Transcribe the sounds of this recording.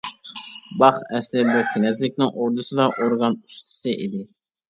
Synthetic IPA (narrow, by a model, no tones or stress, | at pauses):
bɑχɛslɪbɛkʲʰenɛzlɪkʲnɪŋʔoɾd̪ɨsɨd̪ɑʔoɾɡɑnust̪ʰɨ̥sɨʔid̪ɪ